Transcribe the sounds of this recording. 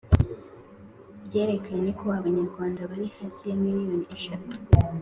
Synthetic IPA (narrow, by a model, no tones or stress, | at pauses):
bje̞ːɾe̞kaajeɲekoβaβaɲaɾɡwaːndaβaɾihazijamiɾijonieʃatu̥